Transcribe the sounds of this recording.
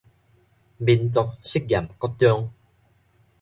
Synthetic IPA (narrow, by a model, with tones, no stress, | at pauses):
bi˧nt͡sɔ˧k̚ɕi˦˥k̚ɡʲja˨˩mkɔ˦˥t̪jɔ˦ŋ